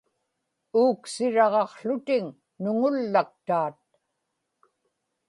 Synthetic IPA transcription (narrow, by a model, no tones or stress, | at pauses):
uːksɪɻɑʁɑqɬʊt̪ɪŋ | nʊŋʊlːak̚t̪aːt̪̚